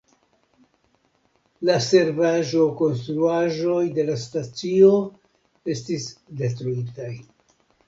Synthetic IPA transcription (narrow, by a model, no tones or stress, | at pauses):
lase̞ɾvaʒo̞ko̞nstɾuaʒo̞jde̞lastat͡sio̞ | e̞stisde̞tɾuitaj